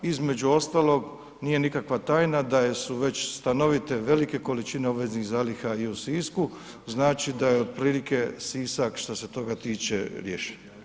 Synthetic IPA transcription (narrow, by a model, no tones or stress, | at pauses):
izme̞d͡ʑuo̞st̪aːlˠo̞ɡ | nije̞nikakʋat̪aːjnad̪aje̞suʋe̞t͡ɕst̪ano̞ʋit̪e̞ʋe̞like̞ko̞lit͡ʃine̞obʋe̞zniɣzaːlixaiusiːsku | znaːt͡ʃid̪ajeod̪̚pɾiːlike̞siːsakʃt̪ose̞t̪o̞ɡat̪iːt͡ʃe̞ɾjeːʃi̥ɲo